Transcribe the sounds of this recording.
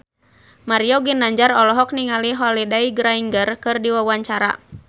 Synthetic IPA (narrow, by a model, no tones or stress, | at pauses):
maɾijɔɡinaɲd͡ʒaɾɔlɔɦɔk̚niŋaliɦɔlidaiɡɾaiŋɡərkɨrdiwawaɲt͡ʃaɾa̰